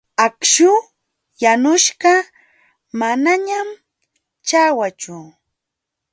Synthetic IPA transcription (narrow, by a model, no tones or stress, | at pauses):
akʃʊ | janʊʃɢɑ | manaɲam | t͡ʃawat͡ʃʊ